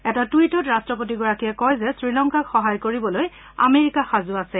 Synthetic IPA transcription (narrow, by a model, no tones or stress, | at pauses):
ɛtatuitɔtɹastɹɔp̬ot̬iɡɔɹakijɛkɔjzɛsɹilɔŋkakxɔɦajkoɹibɔloj | a̰meɹikaxazʊasɛ